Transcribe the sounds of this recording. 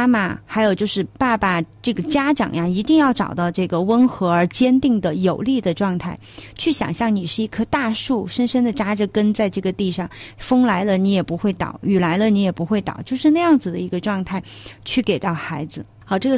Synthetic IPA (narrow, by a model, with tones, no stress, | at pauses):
a˥ma̰˨˩xa˧˥ɪjo˨˩ʊt͡ɕjo˥˧ʊʂɻ̩˥˧pa˥˩ba˨˩ʈ͡ʂɤ˥˩ɡə˩t͡ɕja˥ʈ͡ʂɑ̰˨˩ŋja˧i˧˥t̪i˥˧ŋjɑ˥˩ʊʈ͡ʂɑ˨˩ʊt̪ɑ˥˧ʊʈ͡ʂɤ˥˩ɡə˩wə˥nxɤ˧˥ə˞˧˥t͡ɕjɛ˥nt̪i˥˩ŋd̪ə˩jo˨˩ʊli˥˩d̪ə˩ʈ͡ʂwɑ˥˧ŋt̪ʰa˥˩ɪt͡ɕʰy˥˩ɕjɑ̰˨˩ŋɕjɑ˥˩ŋni˨˩ʂɻ̩˥˧i˧˥˩kʰɤ˥t̪a˥˧ʂu˥˩ʂə˥nʂə˥nd̪ə˨ʈ͡ʂa˥ʈ͡ʂə˥˧kə˥nt͡sa˥˧ɪʈ͡ʂɤ˥˩ɡə˩t̪i˥˧ʂɑ˥˩ŋfɤ˥ŋla˧˥ɪlə˧ni˧˥jɛ˨˩pu˧˥xwe˥˩ɪt̪ɑ̰˨˩ʊy˨˩la˧˥ɪlə˧ni˥jɛ˨˩pu˧˥xwe˥˩ɪt̪ɑ̰˨˩ʊt͡ɕjo˥˧ʊʂɻ̩˥˧na˥˧ɪjɑ˥˩ŋd͡zɹ̩˩d̪ə˩i˧˥ɡə˧ʈ͡ʂwɑ˥˧ŋt̪ʰa˥˩ɪt͡ɕʰy˥˩ke˨˩ɪt̪ɑ˥˩ʊxa˧˥ɪd͡zɹ̩˧ | xɑ˥˩ʈ͡ʂɤ˥˩ɡ